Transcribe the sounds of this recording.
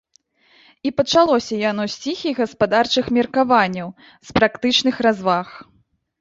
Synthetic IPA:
ipɐt͡ʂalˠɔsʲɐjanɔsʲt͡sʲixʲiɣɐspad̪art͡ʂɨxmʲɛrkavanʲːɐw | spɾakt̪ɨt͡ʂn̪ɨxɾazvax

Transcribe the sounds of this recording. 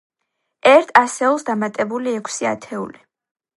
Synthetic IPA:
ɛɾt̪ʰasɛɔlˠsd̪amat̪ʼɛbuliɛkʷʰsia̰t̪ʰɛṵli

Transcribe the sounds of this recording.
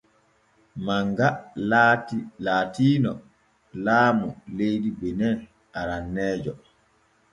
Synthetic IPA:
maŋɡa | laːtiːnɔ | laːmulejdibɛnɛn | aɾanːɛːd͡ʒɔ

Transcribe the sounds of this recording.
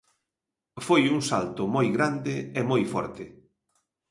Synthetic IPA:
fojuŋsa̰lt̪ʊmojɣɾand̪ɪemojfɔ̰ɾt̪ɪ

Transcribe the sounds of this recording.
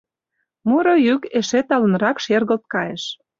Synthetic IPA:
muɾojykeʃet̪ɑlə̆nɾɑkʃerɣə̆lt̪̚kɑjeʃ

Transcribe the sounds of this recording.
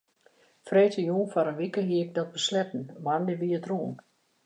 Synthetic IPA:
freːtʰəjuːnfɔɾənʋikəɦiəɪk̚dɔt̚bəslɛtn̩mandəʋiətruən

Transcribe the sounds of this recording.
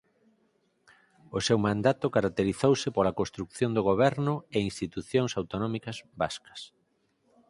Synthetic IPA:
osewmãnd̪at̪ʊkaɾak̚t̪eɾiθowsɪpolakõst̪ɾukθjond̪oɣ̞oβ̞ɛɾnʊeinst̪it̪uθjõŋsawt̪onɔmikɐzba̰skɐ̥s

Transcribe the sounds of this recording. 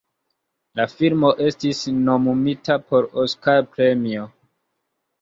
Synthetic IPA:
lafilmo̞ʔe̞stisno̞mumitapo̞ɾoskaɾpɾemio̞

